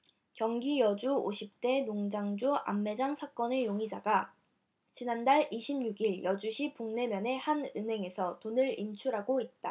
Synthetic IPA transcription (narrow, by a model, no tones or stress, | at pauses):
kjʌŋɡijʌd͡ʑuoɕʰip̚t͈e̞noŋd͡ʑaŋd͡ʑua̰mːe̞d͡ʑaŋsʰak͈ʌne̞joŋid͡ʑaɡa | t͡ɕinandaɭiɕʰimɲuɡiɭjʌd͡ʑuɕʰipuŋne̞mjʌne̞hanɯnɦe̞ŋe̞sʰʌtonɯɾint͡ɕʰuɾaɡoit̚t͈a